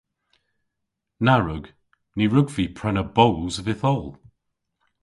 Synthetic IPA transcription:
naɹəɡ | niɹʊɡviːpʰɹ̥ɛnəbowzəvɪθɔlˠ

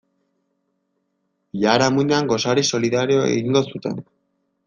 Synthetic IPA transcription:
ʎaɾamund̪eaŋɡo̞saɾiso̞liðaɾeoe̞̰ɣiŋɡo̞sut̪e̞̰n

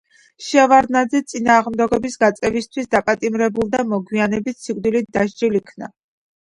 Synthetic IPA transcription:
ʃɛvaɾnad̪zɛt̪sʼinaːʁmd̪ɛɡɔbisɡat̪sʼɛvist̪ʰwisd̪apʼat̪ʼimɾɛbulˠd̪amɔɡwianɛbit̪sikʼd̪ilit̪̚d̪aʃd͡ʒilikʰna̰

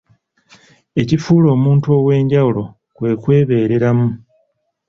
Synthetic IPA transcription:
e̞cifuːlo̞ːmuːntuo̞ːwe̞ːɲɟawulo̞ | kwe̞ːkwe̞ːβe̞ːɾe̞ɾamu

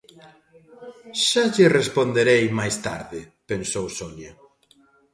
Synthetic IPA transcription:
ʃaʎɪrespond̪eɾejmajst̪a̰ɾðɪpensowsoʎa

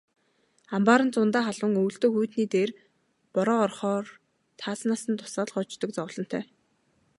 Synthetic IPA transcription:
ampaːɾə̆nt͡sʊnt̪aːχaɮə̆ŋɵw̆ɬt̪ɵ̆ːxujt̪niːt̪eːr | pɔɾɔːrχɔːr | t̪ʰaːsnaːsə̆nt̪ʰʊ̥saːɮχɔt͡ɕt̪ɞ̆k̚t͡sɔwɮɞ̆n̥t̪ʰœ̰ː

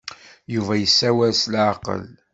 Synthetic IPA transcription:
juvæjəsːæwæslʕaqə̰l

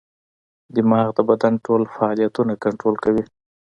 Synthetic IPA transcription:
d̪əmɑɣd̪əbad̪anʈolfaɑlijat̪unakaɳʈɾolkawi

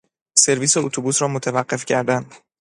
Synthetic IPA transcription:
se̞ɾviːseot̪ʰobuːsɾɒːmot̪ʰævæɢːe̞fcʰæɾd̪ænd̪̥

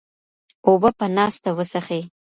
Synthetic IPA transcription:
obəpənɑst̪awəsaxe

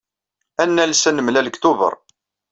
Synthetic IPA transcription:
ænːælsænəmlæləkt̪ʊvə̰ɾˤ

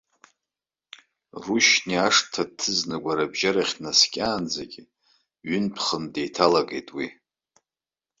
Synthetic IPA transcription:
ruʃniaʂtʰatʰːɨznaɡʷaɾabʒaɾaχʲnaskʲʼaːnd͡zaɡʲi | ɥʏnpʰχəndejtʰalaɡe̞jtʼwi

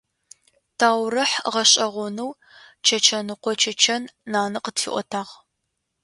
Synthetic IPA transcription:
tʰaːwrɐħʁɐɕʼɐʁʷɔnuw | t͡ʃʰɐt͡ʃʰɐnɨqʷɔt͡ʃʰɐt͡ʃʰɐnːaːnɨqətfḭʔʷɔ̰tʰaːʁ

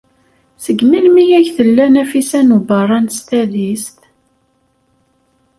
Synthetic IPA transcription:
səɡːminmijæʝθəlːænæfisænubərˤːɑnst̪æðist̪

